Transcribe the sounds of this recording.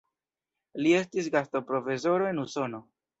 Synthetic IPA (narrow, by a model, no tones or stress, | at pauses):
lie̞stis̬ɡasto̞pɾo̞fe̞s̬o̞ɾo̞e̞nuso̞no̞